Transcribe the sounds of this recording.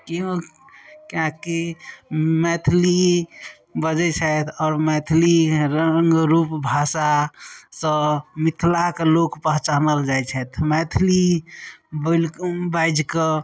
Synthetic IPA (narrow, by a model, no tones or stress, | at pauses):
kiɦõ | kãki | mɛt̪ʰli | bəd͡ʒɛt͡ʃʰət̪ʰɔːɾmɛt̪ʰliɾəŋɡɾupbʱasasə̃mit̪ʰlakelokpəɦt͡ʃanəld͡ʒajt͡ʃʰɛt̪ʰmɛt̪ʰli | bəlkbajd͡ʒkə